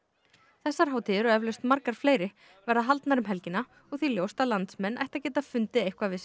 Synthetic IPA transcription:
θɛsːaɾ̥ɦawt̪ʰiðɪɾɔɛvlœst̪maɾkaɾ̥fleːjɾɪ | vɛɾðaɦalt̪naɾʏmɦɛlcɪna | ɔɣθiljowst̪aðlant̪smɛnːa̰jht̪acɛːt̪afʏnt̪ɪejhkvavɪs

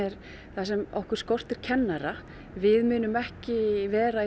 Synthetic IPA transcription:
ɛɾ | θasɛmɔhkʏɾ̥skɔr̥t̪ɛɾ̥cʰɛnːaɾa | vɪðmʏːnʏmɛhcɪvɛːɾa

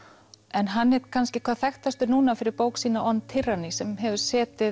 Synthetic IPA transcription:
ɛnɦanːɛːt̪kʰanscɪkʰvaːðθɛxt̪ast̪ʏnuːnafɪɾɪɾpoːwksiːnaʔɔnt̪ʰɪrːanisɛmɦɛvʏ̥sɛːt̪ɪ

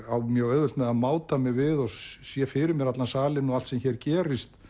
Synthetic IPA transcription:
awmjœwœðvʏlt̪mɛðamaːwt̪amɪɣvɪðɔsjɛfɪɾɪmjɛɾat̪lansaːlɪnːɔalt̪sɛmçɛɾ̥cɛːɾɪst̪

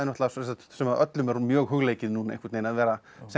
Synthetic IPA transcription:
ɪnɔht̪lasɛsat̪sɛmaðœt̪lʏmɛɾmjœːɣɦʏɣleːjcɪðnuːnaḛjŋkʰat̪ejnaðvɛːɾa | sɛ

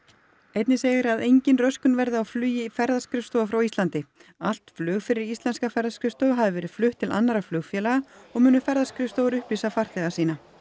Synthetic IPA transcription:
ejt̪nɪseːɣɪɾaðejɲcɪnrœskʏnvɛɾðɪawflyːjɪfɛɾðaskɾɪfst̪oːwafɾawist̪lant̪ɪ | al̥t̪flœːɣfɪɾɪɾist̪lɛnskafɛɾðaskɾʏst̪oːɣɦaðɪvɛːɾɪðflʏht̪ʰːɪla̰nːaɾaflœːɣfjɛːlaɣaɔɣmʏːnʏfɛɾðaskɾʏfst̪oːwʏɾʏhpliːsafar̥θɛːɣasiːna

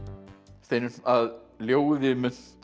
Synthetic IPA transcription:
st̪ejnʏaðljoːwðɪmʏn̥t̪

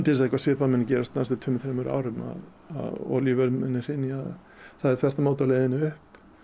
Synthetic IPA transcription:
t̪ɪs̬ɛkvasvɪːpamɛnːɪcɛːɾast̪nast̪ʏt̪ʰʏmθɾemʏɾa̰ːwɾʏma̰ð | a̰ðɔ̰livɛɾmɛnːɪɾ̥hɪnːɪað | θaðɛɾ̥θʰvɛr̥t̪amaːwt̪aleːjðɪnːɪʏhp

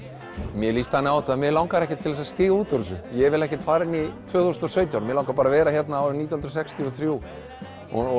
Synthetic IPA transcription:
mjɛliːst̪hanːɪawθaðmjɛlawŋkaɾɛhcɪt̪ʰːɪlðɛsascɪːɣauːt̪ɔɾʏsʏjɛvɪlɛhcɪt̪faːɾɪnːɪt̪ʰvœːɣθusnɔsœːɥt̪jawɾmjɛlawŋkaɾpaɾavɛːɾaçjɛt̪naaɾʏnit̪jahnɾɔs̬ɛkst̪ʰiɔθɾjuː | ɔ

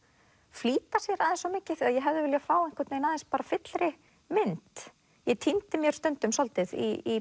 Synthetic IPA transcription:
fliːt̪asjɛɾaðɪ̃nsːɔmeːcɪθaðjɛɦɛvðɪvɪljafaːwɛnŋ̥kʰɪɾt̪nejnaðɛnspaːɾafɪt̪lɾɪ | mɪnt̪ | jɛt̪ʰint̪ɪmjɛɾ̥st̪œnt̪ʏmsɔlt̪ɪðḭi

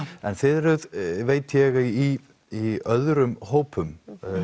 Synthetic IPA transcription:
ɛnθɪðɾʏðveːjt̪ʰjɛɣai | iœðɾʏmhoːwpʏm

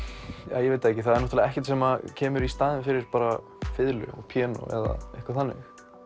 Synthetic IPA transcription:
ja̰ːjɛveːjt̪aɛhcɪθaðɛɾnɔht̪alɛɣaɛhcɪt̪sɛmacʰɛːmʏɾist̪aːðɪnfɪɾɪɾ̥paːɾa | fɪðlʏ̰ɔ̰ɣpʰjɛːnɔ̰ʔɛ̰ða̰ehkvaɾθanːɪ̰x

